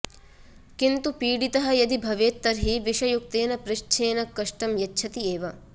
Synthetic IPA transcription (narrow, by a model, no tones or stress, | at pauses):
kint̪upiːɽit̪ɐɦɐ̆jɐd̪ibʱɐʋeːt̪ːɐɾɦiʋiʃɐjuk̚t̪eːnɐpɾɪʃt͡ʃʰeːnɐkːɐʂʈɐmjɐtːt͡ʃʰɐt̪ieːʋɐ